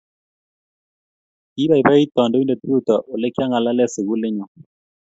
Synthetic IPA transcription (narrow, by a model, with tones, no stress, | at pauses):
i˦βa˦˨i˨ba˦i˦t̪ɔ˨nde˦i˦nde˨t̪u˦u˦t̪ɔ˨ʔo˨le˦ki˦a˦ŋa˨la˦lɛ˦sɪ˨ɣu˦le˦ɲɔ˨